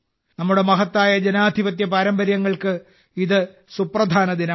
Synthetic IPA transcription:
nɐmːuɽe̞mɐɦɐt̪ːaːjɐd͡ʑenaːd̪ʱiʋɐt̪̬jɐpɐɾɐmbɐɾjɐŋːɐɭkɨ | iðɨ | suprɐd̪ʱaːnɐðinɐ

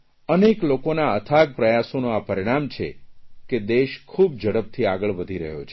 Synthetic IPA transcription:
əneklokonaət̪ʰaɡ̚pɾəjasonoapəɾiɽ̃amt͡ʃʰḛked̪eʃkʰub̚d͡ʒəɽəp̚t̪ʰiaɡəɭʋəd̪ʱiɾə̰ɦjo̰t͡ʃʰe

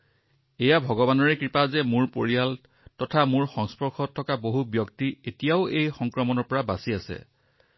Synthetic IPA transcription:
ejabʱɔɡɔbanɔɹɛkɹipazɛmʊɹpoɹijal | tɔtʰamʊɹxɔŋspɔɹxʰɔtʰːɔkaboɦubjɔktietijaʊejxɔŋkɹɔmɔnɔɹpɔɹabasiasɛ̰

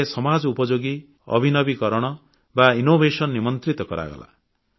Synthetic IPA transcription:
esɔmad͡ʒupɔd͡ʒoɡi | ʌ̰bʱinʌbikɔɾɔɽ̃ɔ | bainobʱesʌnːimɔnt̪ɾit̪ɔkɔɾa̰ɡɔ̰la̰

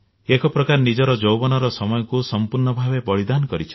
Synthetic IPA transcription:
ekɔpɾɔkaɾnid͡ʒɔɾɔd͡ʒowbɔnɔɾɔsɔmɔjɔkusɔmpuɾɳɔbʱabebɔɽid̪anɔkɔɾit͡ʃʰɔ̥

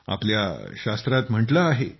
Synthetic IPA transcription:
a̰plja̰ɕast̪ɾat̪m̤əɳʈlaːɦe

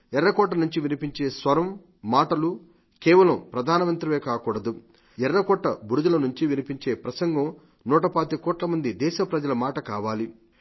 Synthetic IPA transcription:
ɛɾːɐkɔːʈ̬ːɐnuɲt͡ʃiʋinipiɲt͡ʃe̞ːsʋɐɾɐmː | aːʈɐlu | kɛːʋɐlɐmpɾɐd̪ʱaːnɐʋɐnt̪ɾɐmeːkaːkuːɽɐd̪u | ɛɾːɐkɔːʈːɐbuɾud͡ʒ̪ulɐnuɲt͡ʃiʋinipiɲt͡ʃe̞ːpɾɐsɐŋɡɐm | nuːʈɐpaːt̪ikɔːʈlɐmɐnd̪id̪ɛːʃɐpɾɐd͡ʒɐlɐmaːʈɐkaːʋaːli

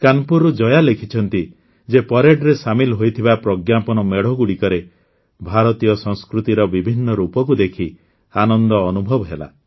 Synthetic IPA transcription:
kanpuɾud͡ʒɔjalekʰit͡ʃʰɔnt̪i | d͡ʒepɔɾeɖɾesamilɦojt̪ʰibapɾɔɡjapɔnɔmeɽɔɡuɽikɔɾe | bʱaɾɔt̪ijɔsɔŋskɾut̪iɾɔbibʱinːɔɾupɔkud̪ekʰi | anɔnd̪ɔːnubʱɔbɔɦela̰

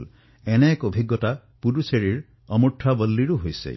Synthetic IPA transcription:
l | enekobʱiɡːɔta | puɾuseɾiɾ | ɔmuʈʰːabɔlːiɾuɦojsḛ

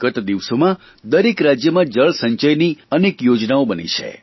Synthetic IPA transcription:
ɡət̪d̪iʋsomã | d̪əɾekɾad͡ʒjəmãd͡ʒəɭsə̃ɲt͡ʃəjniənekjod͡ʒnaobənḭt͡ʃʰḛ

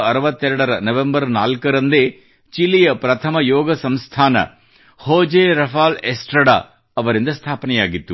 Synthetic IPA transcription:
ɐɾɐʋɐt̪ːɛɾɐɽɐɾɐnɐʋembɐɾnaːlkɐɾɐnd̪eː | t͡ʃilijɐpɾɐt̪ʰɐmɐjɔːɡɐsɐmst̪ʰaːnɐ̰ | hoːd͡ʒeːɾɐfaːlesʈɾɐɽa̰ː | ɐʋɐɾind̪ɐst̪ʰaːpɐnɛjaːɡit̪ːu

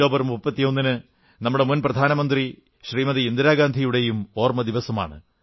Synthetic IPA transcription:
o̞ːbɐɾmupːɐt̪ːijo̞nːinɨ | nɐmːuɽe̞munprɐd̪ʱaːnɐmɐnd̪ri | ɕriːmɐðiind̪iɾaːɡaːnd̪ʱijuɽe̞jumo̞ːrmɐd̪iʋɐsɐma̰ːɳɨ̰

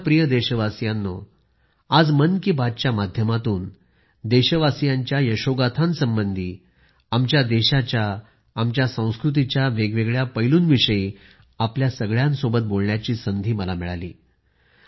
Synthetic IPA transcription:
pɾijəd̪eɕəʋasjanːo | ad͡zmənkibad̚t͡ɕjamad̪ʱjəmat̪uːn | d̪eɕəʋasjaɲt͡ɕjajəɕoɡat̪ʰãnsəmbənd̪ʱiː | amt͡ɕjad̪eɕat͡ɕjaː | mt͡ɕjasə̃w̃skɾut̪̬it͡ɕjaʋeɡʋeɡɭjapəjluːnʋiʂəiː | apljasəɡɭjãnsobət̪̚bolɳjat͡ɕiːsənd̪ʱiːməlamiɭa̰lḭː

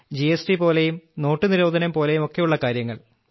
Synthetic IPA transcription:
d͡ʑiesʈipo̞ːle̞jumno̞ːʈːɨniɾo̞ːd̪ʱɐnɐmpo̞ːle̞jumo̞kːe̞juɭːɐkaːɾjɐŋːɐɭ

